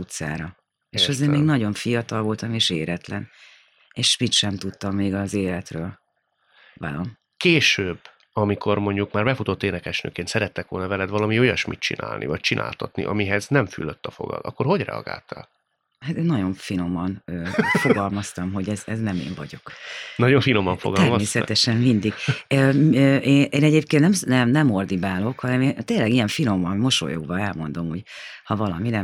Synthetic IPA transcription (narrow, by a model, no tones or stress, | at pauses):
ut̪sa̰ːɾɒ | eːʃɒzeːrmeːɡnɒɟo̞ɱfijɒt̪ɒlvo̞lt̪ɒmeːʃeːɾɛt̪lɛn | eːʃmit̪ʃɛmt̪ut̪ːɒmːeːɡɒzeːlɛt̪røːl | va̰lom | keːʃøːb | ɒmikʰo̞rmo̞ɲɟukmaːrbɛfut̪o̞t̪ːeːnɛkɛʃnø̰ːkeːnsɛɾɛt̪ːɛkʋo̞lnɒvɛlɛd̪vɒlɒmio̞jɒʃmḭt̪t͡ʃḭnʔa̰ːlnʔḭvɒc̚t͡ʃinʔa̰ːlt̪ɒt̪nḭʔɒmiɦɛznɛɱfy̰løt̪ːɒfo̞̰ɡɒ̰lɒ̰kːo̞rho̞ɟrɛ̰ɒ̰ɡa̰ːlt̪a̰l | hat̪eːnːɒɟo̞ɱfino̞mːɒnøːfo̞ɡɒlmɒst̪ɒmɦo̞ɟɛzɛznɛmḛːɱvɒ̰ɟo̞knɒɟo̞ɱfino̞mɒɱfoɡɒɛrmɒsmeːsɛt̪ɛʃɛmmind̪iɡøøːʔeːnʔeːnɛɟeːpkeːnnɛmnɛmnɛmo̞rd̪ibaːlo̞khɒnɛmeːnt̪eːnlɛɡijɛɱfino̞mːɒnmo̞ʃo̰jo̰ɡbɒɛlmo̞nd̪o̞muɟhɒvɒlɒminɛ